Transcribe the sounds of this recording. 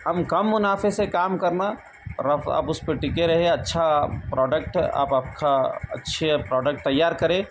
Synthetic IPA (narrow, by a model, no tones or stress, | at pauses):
ɦɐmkɐmːʊnaːfesekaːmkɐɾna | ɾɐfa̰ːpʊspeʈɪkeɾɐɦẽɐtːʃʰapɾʔɔːɖək̚ʈa̰ːpaːp̚kʰaɐ̰tːʃʰepɾɔːɖək̚ʈ̚t̪ɐjːaːɾkɐɾẽː